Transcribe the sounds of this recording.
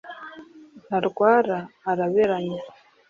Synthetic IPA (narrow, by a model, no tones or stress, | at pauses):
naɾukwaːɾaːɾaβeɾaɲa